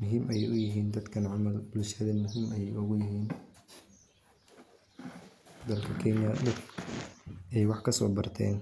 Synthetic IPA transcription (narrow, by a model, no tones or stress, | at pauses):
mʊɦiːmʔɛjɛjʊjɪɦiːnd̪ɐd̪kʰɐnʕʊmɐlbʊlusaðɐnmʊɦiːmɐjɛjʊɣʊjɪɦiːn | d̪ɐlkʰɐkʰɛnjɐd̪ɐd̪ | ɛjwɑħkʰɐsɔ̰ːbɐrt̪ʰɛ̰ːn